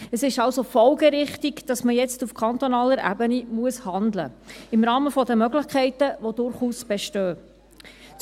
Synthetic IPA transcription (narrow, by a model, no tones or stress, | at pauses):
əsɪʃɑlsofɔlɡɛɾɪχtiɡd̥ɑsməjɛt͡stufkʰɑnt̪ɔnɑːləɾʔæ̰bənimuəshɑnd̪lə̰ɪmɾɑːməfɔdəmœɡlɪχkʰɛɪtəʋod̥ʊɾχuːsb̥ɛʃtøː